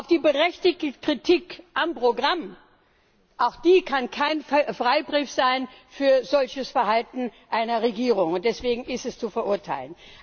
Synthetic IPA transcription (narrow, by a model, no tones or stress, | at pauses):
ʔaʊfd̥iːbəʁɛçtɪçtəkʁ̥itʰikʔampʁ̥oɡʁam | ʔaʊxd̥iːkʰankʰaɪnfʁ̥aɪbʁiːfz̥aɪnfyːɐzɔlçəsfɛɐɦaltn̩ʔaɪnɐʁeɡiːʁ̞ʊŋʊnt̚d̥ɛsv̥eːɡŋ̩ɪstɛst͡sufɛɐʔʊɐtʰaɪlən